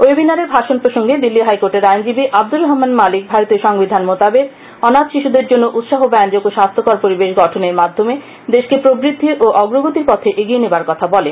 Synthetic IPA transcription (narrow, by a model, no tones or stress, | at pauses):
ojbinaɾeɾbʱaʃonpɾoʃoŋɡed̪ilːiɦajkoɾʈeɾajnd͡ʑibiʔab̚d̪uɾɔɦmanmalik̚bʱaɾot̪ioʃɔŋbid̪ʱanmot̪abeɾ | ɔnat̪ʃiʃud̪eɾd͡ʑonːoʔut̪ʃaɦobɛnd͡ʑokoʃast̪ʰokaɾpoɾibeʃɡɔʈʰoneɾmad̪ʱːome | d̪eʃkepɾobɾid̪ʱːiʔoʔɔɡɾoɡot̪iɾpɔt̪ʰeʔeɡienebaɾkɔt̪ʰabɔlen